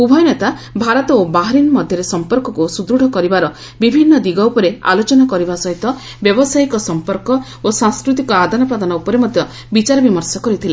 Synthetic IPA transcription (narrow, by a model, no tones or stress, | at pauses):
ubʱɔjɔnet̪a | bʱaɾɔt̪ɔobaɦaɾinmɔd̪ʱjɔɾesɔmpɔɾkɔkusud̪ɾuɽʱɔkɔɾibaɾɔ | bibʱinːɔd̪iɡɔupɔɾea̰lot͡ʃɔnakɔɾibasɔɦit̪ɔ | bjɔbɔsajkɔsɔmpɔɾkɔ | osãŋskɾut̪̬ikɔad̪ʱanɔpad̪ɔnɔupɔɾemɔd̪ʱjɔ | bit͡ʃaɾɔbimɔɾsɔkɔɾit̪ʰila